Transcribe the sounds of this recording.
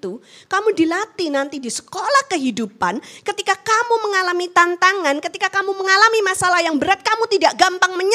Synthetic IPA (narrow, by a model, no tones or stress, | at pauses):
t̪u | kamudilat̪inant̪idisə̥kolahkəɦidupankət̪ikakamuməŋalamit̪ant̪aŋankət̪ikakamuməŋalamimasalahjaŋbəɾat̪̚kamut̪idaʔɡampaŋməɲ